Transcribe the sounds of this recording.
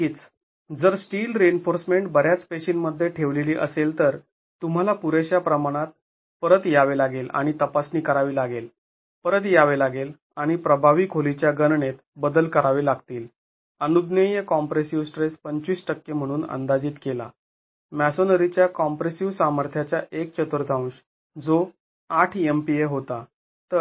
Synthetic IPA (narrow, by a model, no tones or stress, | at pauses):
iːt͡s | d͡zəɾsʈiːlɾenfoɾsmeɳʈbəɾjat͡speɕiːnməd̪ʱːjeʈʰeʋleliːʔəselt̪əɾ | t̪um̤alapuɾeɕjapɾəmaɽ̃at̪̚ | pəɾət̪jaʋelaɡela̰ɽ̃it̪əpasniːkəɾaʋiːlaɡel | pəɾət̪̬jaʋelaɡel | aɽ̃ipɾəbʱaʋikʰolit͡ɕjaɡənɳet̪bəd̪əlkəɾaʋelaɡt̪iːl | ənud̪nəjəkɔmpɾesiʋsʈɾespəɲt͡ɕiːsʈəkːem̤əɽ̃uːnə̰nd̪ad͡ʑiːt̪kela̰ | mæsonəɾit͡ɕjakɔmpɾesiʋsaməɾt̪ʰjat͡ɕjaʔek̚t͡ɕət̪əɾt̪aw̃ɕ | d͡zo | aʈʰempieɦot̪a | t̪ə